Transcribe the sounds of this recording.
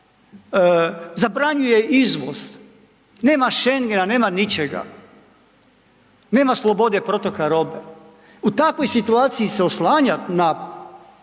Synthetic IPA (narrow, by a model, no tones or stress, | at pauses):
zabɾaɲujeʔizʋos | ne̞ːmaʃeŋɡenane̞ːmanit͡ʃeɡa̰ | ne̞ːmaslˠo̞bo̞d̪epɾo̞t̪o̞kaɾo̞be | ut̪akʋo̞jsit̪uaːt̪sijiseoslaːɲana